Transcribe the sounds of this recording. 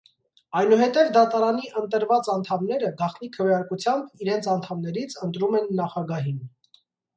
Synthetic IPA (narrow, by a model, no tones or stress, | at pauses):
ɑjnuɦɛt̪ɛvd̪ɑt̪ɑɾɑniʔənt̪əɾvɑt͡sɑnt̪ʰɑmnɛɾəɡɑχt̪nikʰəvjɑɾkut͡sʰjɑmbiɾɛnt͡sʰɑnt̪ʰɑmnɛɾit͡sʰənt̪ɾumɛnːɑχɑɡɑɦin